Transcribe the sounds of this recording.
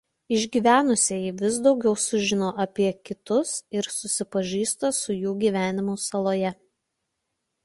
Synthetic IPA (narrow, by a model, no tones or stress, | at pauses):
ɪʒʲɡʲiːʋʲæːnʊsʲeːjɪʋʲɪz̬d̪ɒʊɡʲɛʊsʊʒʲɪnoːʔɐpʲiɛkʲɪt̪ʊsɪɾsʊsʲɪpɐʒʲiːst̪oːsʊjuːɡʲiːʋʲæːnʲɪmʊsɐlˠoːjɛ